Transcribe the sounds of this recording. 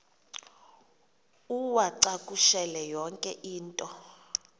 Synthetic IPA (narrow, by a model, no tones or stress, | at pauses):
uwaǀakʼuʃɛlɛjɔŋkʼɛʔiːntʼɔ